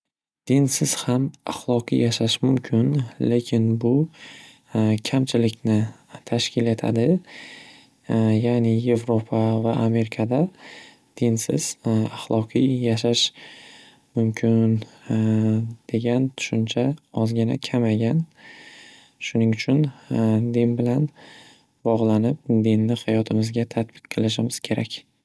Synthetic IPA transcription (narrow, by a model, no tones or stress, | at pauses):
d̪̥ɪnsɪz̥hamaχlˠɒqḭjaʃaʃmʊmkʲʰɪnle̞kʲʰɪnbʊ | kʲʰamt͡ʃʰɪlɪkʲnɪ | t̪ʰaʃkʲʰɪle̞t̪ʰa̰d̪ɪ | jaːnɪje̞vɾopʰavaʔːme̞ɾɪkʰad̪a | d̪̥ɪnsɪ̰z̥aχlˠɒqʰijjaʃ̬aʃ | mʊmkʲʰɪn | d̪̥e̞ɡʲant̪ʰʊ̥ʃʊnt͡ʃʰaɒzɡʲɪna̰kʲʰamaɡʲan | ʃʊnɪŋʊt͡ʃʰʊnd̪ɪnbɪlan | bɒʁlˠanɪp̚d̪ɪnːɪhajɒt̪ʰɪmɪzɡʲat̪ʰat̪̚bɪ̥t̪qʰɨlˠɪʃ̬ɪmɪz̥kʲʰe̞ɾa̰kʲ